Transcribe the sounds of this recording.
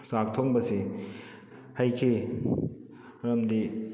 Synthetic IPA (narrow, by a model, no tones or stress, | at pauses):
sak̚tʰok̚bɐsi | hajkʰe | ɾɐmdi